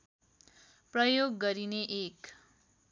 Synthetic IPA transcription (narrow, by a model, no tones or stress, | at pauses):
prʌjoɡːʌɾineʔek